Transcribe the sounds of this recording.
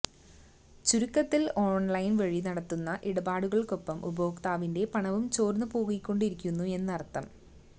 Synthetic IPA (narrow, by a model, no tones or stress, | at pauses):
t͡ɕuɾukːɐt̪ːilo̞ːɳlɐjnʋɐɻinɐɽɐt̪ːunːɐʔiɽɐbaːɽuɣɐɭko̞pːɐmʔuboːkt̪aːʋinde̞pɐɳɐʋumt͡ɕoːrnɨpo̞ːɣikʲːo̞ɳɖiɾikʲːunːue̞nːɐrt̪ːɐm